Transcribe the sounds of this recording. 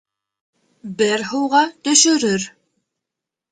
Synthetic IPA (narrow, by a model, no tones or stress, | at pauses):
bɘɾɦɤwʁɑt̪ɵ̆ʃɵ̆ɾɵɾ